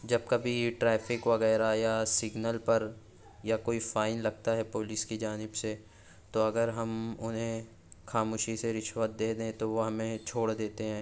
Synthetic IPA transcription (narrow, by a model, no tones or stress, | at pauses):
d͡ʒɐb̚kɐbʱiʈɾɛːpʰɪkʋɐɣɛːɾajasɪɡnəlpɐɾ | jakoːifaːɪnlɐɡ̚t̪aɦɛpoːlɪskid͡ʒaːnɪbse | t̪oɐɡəɾɦɐmʊnɦẽ | xaːmoːʃiseɾɪʃʋət̪̚d̪eːd̪eẽt̪oʋoɦɐmẽt͡ʃʰoːɽd̪eːt̪eɦɛ̃ː